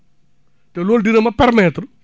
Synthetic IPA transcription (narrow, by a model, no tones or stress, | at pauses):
tɛloːldinɐmɐpɛrmɛt̪ɾ